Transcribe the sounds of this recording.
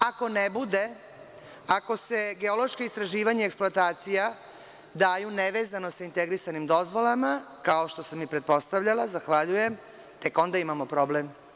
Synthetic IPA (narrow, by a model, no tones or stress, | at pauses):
ako̞nebud̪e̞ | ako̞se̞ɡe̞o̞lo̞ʃkoist̪ɾaʒiːʋaɲaeksploat̪aːt̪sija | d̪aːjuneʋeːzano̞saint̪eɡɾisanimd̪o̞zʋo̞lama | kaoʃt̪o̞samːipɾet̪̚po̞st̪aʋʎalazaxʋaʎujem | t̪e̞ko̞nd̪aimamopɾo̞blem